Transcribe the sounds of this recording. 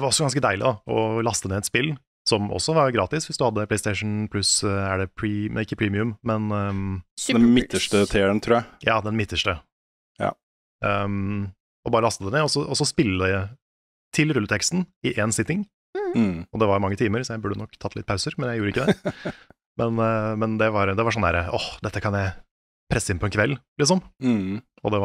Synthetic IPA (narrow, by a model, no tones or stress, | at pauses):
d̪ɛʋɑɾɔsːɔɡɑnskəd̪æɪlɪ̰d̪ɑʔɔ̰lɑst̪əd̪ɛːɛt̪spɪl | sɔmɔ̰sːɔʋɑɾɡɾɑːt̪ɪsʋɪsd̪ʉhɑd̪ːəpʰlɛɪst̪ɛɪʂn̩pʰlʉsæɖɛpʰɹiɪkːəpʰɾiːmɪʉmmɛn | d̪mɪt̪ːəʂʈət̪ʰeːəɳt̪ʰɾuːæɪjɑːd̪ɛnmɪt̪ːəʂʈə | jɑ̰ | ɔbɑːɾəlɑst̪əd̪ɛnɛːɔsɔʔɔsɔspɪlːəd̪ɛ | t̪ʰɪlɾʉlːət̪ʰɛkst̪nɪʔɛːnsɪt̪ːɪŋ | ɔd̪ɛʋɑɾmɑŋːət̪ʰiːməɾsɔjæɪbʉɖːənɔkːt̪ʰɑt̪ʰːlɪt̪̚pʰaʉsəɾmɛnjæɪjuːɾəɪkːəd̪ɛ | mɛnmɛnd̪ɛʋɑɾd̪ɛʋɑɾʂ̬ɔnədæ̰ːɾəɔhd̪ɛt̪ːəkʰɑnjæɪ | pʰɾɛsːəɪnpʰɔɛnkʰʋɛlːlɪsɔm | ɔd̪ɛ